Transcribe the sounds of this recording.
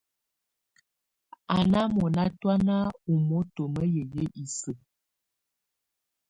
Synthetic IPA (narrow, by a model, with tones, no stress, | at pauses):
a˨na˦mɔ˨na˦twa˦na˦u˨mɔ˦to˨mə˦jə˨jə˦ʔi˨sə˨